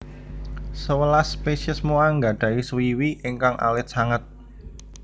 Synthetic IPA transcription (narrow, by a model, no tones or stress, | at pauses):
səwəlaspeʃiəsmoaŋɡa̤ɖ̪̥a̤iswiwiʔɪŋkaŋʔa̰lɪt̪̚saŋət̪̚